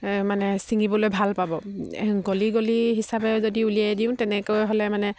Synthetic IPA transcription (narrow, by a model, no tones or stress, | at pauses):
manɛsiŋibɔlojbʱalpabɔɡoliɡoliɦisabɛzodiuliajdiʊ̃tɛnɛkojɦolɛmanɛ